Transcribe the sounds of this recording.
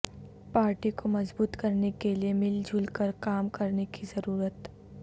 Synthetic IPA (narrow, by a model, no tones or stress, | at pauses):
paːɾʈikomɐzbuːt̪kɐɾnekeliemɪld͡ʒʱuːlkəɾkaːmkɐɾnekizɐɾuːɾət̪